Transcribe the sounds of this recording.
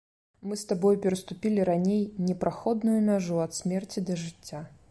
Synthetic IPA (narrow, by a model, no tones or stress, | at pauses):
mɨst̪abɔjupʲɛɾɐst̪upʲilʲiɾanʲejnʲɛpɾaxɔd̪nujunʲaʐuɐt̪sʲmʲɛrt͡sʲid̪ɐʐɨt͡sʲːa